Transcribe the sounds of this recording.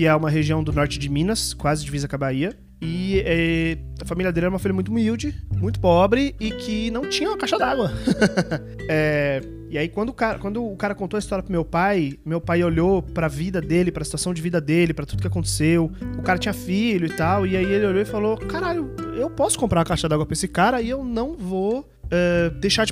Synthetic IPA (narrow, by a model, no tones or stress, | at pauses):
kɪɛũmɐɦeʒiɐ̃w̃d̪ʊnɔɾt͡ʃɪd͡ʒɪmĩnɐskwazɪd͡ʒɪvizɐkabaiɐ | ɪɛ | ɐfamiliɐd̪elɪɛɾumɐfiʎjɐmũj̃t̪ʊmiwd͡ʒɪmũj̃t̪ʊ̥pɔbɾɪɪkʰɪnɐ̃w̃t͡ʃĩɲɐũmɐkaʃɐd̪aɡwɐ | ɛ | ɪaikwɐ̃nd̪ʊkaɾɐkwɐ̃nd̪ʊːkaɾɐkõnt̪oɐist̪ɔɾjɐpɾʊmewpajmewpajoʎopɾɐvid̪ɐd̪elɪpɾɐsit̪uasɐ̃w̃d͡ʒɪvid̪ɐd̪elɪpɾɐt̪ud̪ʊkɪakõnt̪e̥sewʊkaɾɐt͡ʃĩɲɐfiʎʊɪt̪awɪaielɪoʎoɪfalokaɾaʎʊewpɔsʊ̥kõmpɾaɾɐkaʃɐd̪aɡwɐpɾɐesɪkaɾɐɪewnɐ̃w̃vo | ɛd̪ejʃaɾd͡ʒɪ